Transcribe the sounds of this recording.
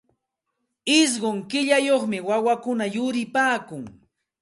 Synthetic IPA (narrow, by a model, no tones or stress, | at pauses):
ɪs̬ɢoŋkɪʎajoχmɪwawakʊnajʊɾɪpaːkʊŋ